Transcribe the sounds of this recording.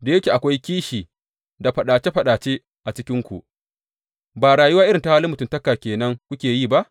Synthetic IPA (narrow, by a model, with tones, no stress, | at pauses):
da˨jɐ˦kʲe˨ʔa˨kʷa˦jkʲiː˦ʃiː˨ | da˨ɸɐ˨ɗaː˨t͡ʃe˦ɸɐ˨ɗaː˨t͡ʃe˦ | ʔa˨t͡ʃɪ˦kʲɪ˦ŋkʷṵ˨ʔ | baː˨ɽaː˨ju˦waː˦ʔɪ˦ɾɪ˨ta˦haː˦lɪ˦mʊ˨tʊ˨ntɐ˦kaː˨kʲeː˨nɐ˦ŋkʷʊ˦kʲeː˨jiː˦˨ba˦ʔ